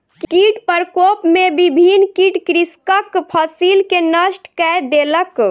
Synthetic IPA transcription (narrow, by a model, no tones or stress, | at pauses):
kkiʈpəɾkopmebibʱinkiʈkɾiskəkpʰəsilkenəsʈkɛjd̪elək